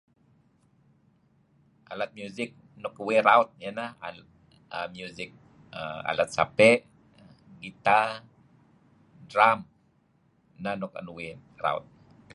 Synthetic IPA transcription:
ʔalat̪̚mjuzɪk̚ | nʊkweɾawt̪̚janaa | əmjuzɪk̚ | əa̰lat̪̚sa̰pɛʔ | ɡit̪a | dɾam | nanʊkə̰nuwe | ra̰w̰t̪̚

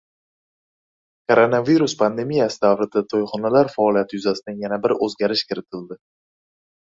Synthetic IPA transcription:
kʰoɾonaviɾuspʰand̪e̞mijasɪd̪avɾɪd̪at̪ʰojχɒnalaɾfaɒlijat̪ʰɪjʊzasɪd̪anjanabɪɾɵzɡʲaɾɪʃkʲʰɪɾɪt̪ʰɪld̪ɪ

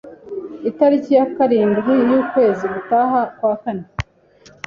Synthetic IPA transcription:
itaɾicijakaɾiːnbɡijuːkwe̞ːziɡutaːɦakwaːkane

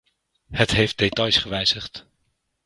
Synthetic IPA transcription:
hətɦejft̚detɑjsχəʋɛjz̥əχt

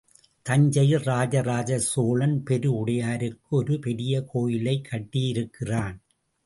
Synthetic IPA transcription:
t̪ɐɲd͡ʒɐjɪlɾaːd͡ʒɐɾaːd͡ʒɐsoːlɐnpɛɾɯʊɽɐjaːɾɯkːɯɔɾɯpɛɾɪjɐkʰoːjɪlɐɪkʰːɐʈːijɪɾɯkːɪraːn

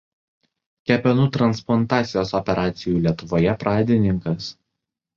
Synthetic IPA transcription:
kʲɛpʲɛnut̪ɾɐnsplˠɔnt̪ɑːt̪sʲɪjoːsɔpʲɛɾʔɑːt̪sʲɪjuːlʲiɛt̪ʊʋoːjɛpɾɑːd̪ʲɪnʲɪŋkɐs

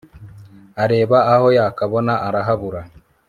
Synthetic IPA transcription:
aɾeːβaahojaːkaβonaʔaɾaɦaβuɾa

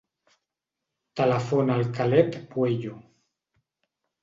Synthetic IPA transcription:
t̪alafonalkalɛt̪pweʎu

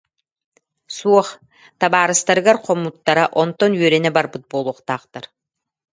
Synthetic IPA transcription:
suɔχ | t̪abaːɾɯst̪aɾɯɡaɾqʰɔmːut̪ːaɾaʔɔnt̪ɔnyœɾɛnɛbaɾbɯt̪̚bolˠuɔχt̪aːqt̪aɾ

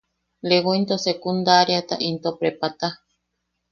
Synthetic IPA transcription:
leɡoint̪osekund̪aɾiat̪a̰ʔint̪opɾepat̪a

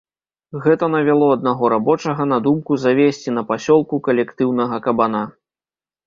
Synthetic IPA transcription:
ɣɛt̪ɐnɐvʲalˠɔɐd̪̚naɣɔɾabɔt͡ʂɐɣɐnɐd̪umkuzavʲesʲt͡sʲin̪ɐpasʲɔlˠkukɐlʲɛkt̪ɨwnɐɣɐkɐbana

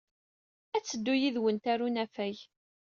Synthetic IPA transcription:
æt͡sːəd̪ːujiðwənt̪ærunæfæj

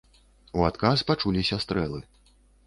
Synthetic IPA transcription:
uat̪kaspat͡ʂulʲisʲast̪ɾɛlˠɨ

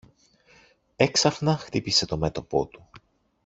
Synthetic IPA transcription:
e̞ksɐfnɐxt̪ipise̞t̪o̞me̞t̪o̞po̞̰t̪u̥

